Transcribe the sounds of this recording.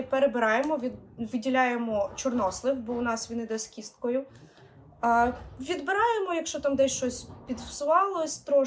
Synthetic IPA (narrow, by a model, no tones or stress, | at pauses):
peɾebɪɾɑjemɔʋʲiʋɪdʲilʲajemɔt͡ʃɔrnɔslˠɪwbɔʊnɑsʋʲinɪd̪ɔsʲkʲist̪kɔjʊ | ʋʲid̪bɪɾɑjemɔjɐkʃt͡ʃɔt̪ɑmd̪ɛsʲʃt͡ʃɔsʲpʲid̪wsʊʋɑlˠɔsʲt̪ɾɔ